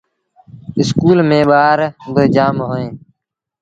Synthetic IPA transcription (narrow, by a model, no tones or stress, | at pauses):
ɪskuːlmẽːɓaːɾbəːd͡ʒaːmɦoːẽː